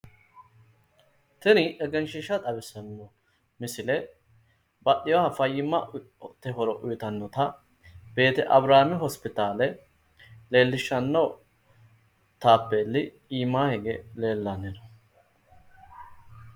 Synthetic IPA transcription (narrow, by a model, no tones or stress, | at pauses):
t̪ɛnɪʔɛɡɛnʃɪʃɐt̪ʼɐbɪsɐnːɔ | mɪsɪlɛ | bɐɗɪjwɐhɐfɐjːɪmːɐ | t̪ːɛɦɔɾɔʔʊjɪt̪ɐnːɔt̪ɐ | be̞ːt̪ɛʔɐbɾaːmɪɦɔspɪt̪aːlɛ | le̞ːlːɪʃːɐnːɐ | t̪aːpːeːlːɪ | iːmːaːhɛɡele̞ːlːɐnːɪnɔ